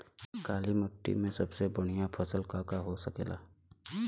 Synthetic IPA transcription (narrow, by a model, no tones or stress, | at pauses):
kaːlimʊʈːḭmẽsɐbsebʊɽ̤̃ijapʰəsəlkaːkaɦosəkḛːla̰ː